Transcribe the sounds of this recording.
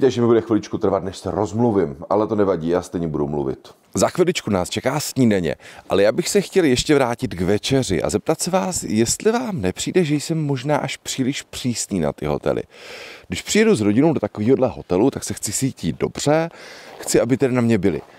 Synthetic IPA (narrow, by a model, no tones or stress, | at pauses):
t̪ɛʒɛmɪbudɛxvɪlɪt͡ʃkut̪r̩vat̪nɛʃsɛɾozmluvɪmʔa̰lɛt̪onɛvaɟiːjaːst̪ɛjɲɛbudumlṵvɪ̰t̪ | zaxvɪlɪt͡ʃkunaːst͡ʃɛkaːsɲiːdɛɲɛ̰ʔalɛjaːbɪxsɛxcɛljɛʃcɛvɾaːcɪt̪ɡvɛt͡ʃɛr̝ɪ̰ʔa̰zɛp̚t̪at̪sɛvaːsjɛst̪lɪvaːmnɛpr̝̥iːdɛʒɛjsɛmːo̞ʒnaːʔaʃpr̥iːlɪʃpr̝̥iːsniːna̰t̪ɪɦo̞̰t̪ɛ̰lʔɪ̰ɡdɪʃpr̥ɪjɛduzɾo̞ɟɪnowdo̞t̪akoviːɦo̞dlɛɦo̞t̪ɛlut̪aksɛxt͡sɪsiːcido̞̰br̝̥ɛxt͡sɪʔabɪt̪ɛdanamɲɛbɪlɪ̰